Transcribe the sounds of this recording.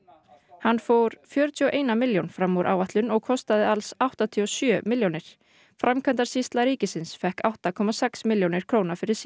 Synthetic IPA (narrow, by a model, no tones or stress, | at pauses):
hanːfoːwɾ̥fjœːɾʏt̪ʰiɔʔeːjnamɪljownfɾamːoɾʔa̰wvaht̪lʏnɔɣkʰɔst̪aðɪalsawht̪at̪ʰiɔsjœːmɪljownɪɾ̥ | fɾamkʰant̪aɾ̥sist̪laɾiːcɪsɪnsfɛhkawht̪akʰɔmasɛksmɪljownɪɾ̥kʰɾoːwnafɪɾɪɾ̥s